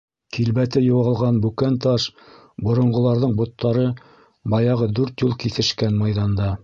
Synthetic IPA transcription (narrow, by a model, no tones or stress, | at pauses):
kilβæt̪ɘjŏwɑlˠʁɑnbʉkænt̪ɑʃ | bŏɾŏɴʁŏlˠɑɾðɤɴbŏt̪ʰːɑɾɤ | bɑjɑʁɤd̪ʉɾt̪julˠkiθɘ̆ʃkænmɑjðɑnd̪ɑ